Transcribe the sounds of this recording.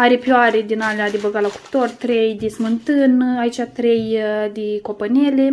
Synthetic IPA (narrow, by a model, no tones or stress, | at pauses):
aɾepʲjaɾed̪inalead̪ebəɡalaku̥pt̪ort̪ɾejd̪esmɨnt̪ɨnait͡ʃʲat̪ɾejd̪eko̞pənʲele